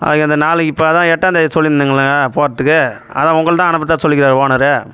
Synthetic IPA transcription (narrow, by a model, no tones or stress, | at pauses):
ɐ̰ðɯŋkːɐnd̪ɐnaːlɯɪpːoɐðãːɛʈːɐnd̪ɐsɔlːɪnd̪ɯŋɡɐɭːapoːɾɐt̪ːɯkːɯ | ɐ̰ðãːʊŋɡɐɭt̪ãːɐnɯp̬ːɐt̪ːãːsɔlːɪkɪɾaːɾʋoːnɐɾɯ